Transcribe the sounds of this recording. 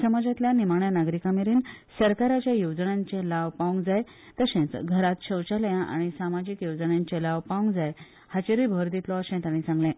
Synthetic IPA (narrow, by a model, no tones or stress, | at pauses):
səmad͡zat̪ljanimaɳjanaɡɾikamiɾiːnsəɾkaɾat͡ɕjajod͡zɳãɲt͡ɕẽlaʋpaʋũŋɡd͡zaj | t̪əsẽt͡sɡʱəɾat̪ɕəwt͡ɕaljãʔa̰ɽ̃isamad͡ʑikjod͡zɳjãɲt͡ɕẽlaʋpaʋũŋɡd͡zaj | hat͡ɕeɾibʱəɾd̪ʱit̪lɔəsẽt̪anit͡sãŋɡlɛ̃